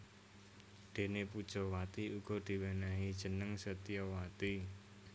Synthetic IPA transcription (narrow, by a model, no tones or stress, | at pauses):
ɖ̪̥e̤nepud̥ʒ̥ɔwat̪iuɡ̥ɔd̪̥i̤wenaɦid̥ʒ̥ə̤nəŋsət̪iɔwat̪i